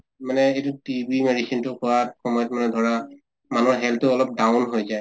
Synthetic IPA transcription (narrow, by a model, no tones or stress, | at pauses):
manɛejtʊtibimeɹisintʊkʊwaxɔmɔjɔtmanɛdʱɔɹa | manuaɦɛlttʊɔlɔp̚daʊnɦojzaj